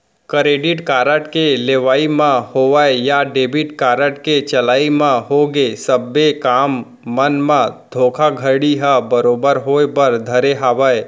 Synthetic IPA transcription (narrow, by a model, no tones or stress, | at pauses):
kəɾeːɖɪʈkaːɾəʈkeleːʋaːimãhoʋəejaɖeːbɪʈkaːɾəʈket͡ʃəlaːimãɦoɡesəbːekaːmː | ənmãd̪ʱoːkʰaɡʱəɽiɦəbəɾobəɾɦoebəɾd̪ʱəɾeɦaːʋəe